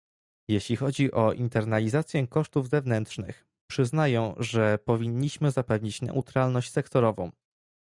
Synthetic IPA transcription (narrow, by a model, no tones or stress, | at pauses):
jeɕlʲixɔd͡ʑiʔɔʔint̪ɛɾnalʲizat̪sʲjɛ̃kɔʂt̪uvzɛvn̪ɛnt̪ʂnɘ̰x | pʂɘznajɛ̃w̃ʐɛpɔvʲiɲːiɕmɘzapɛvɲit͡ɕnɛ̰ʔut̪ɾalnɔɕt͡ɕʲsɛkt̪ɔɾɔvɔ̰̃w̃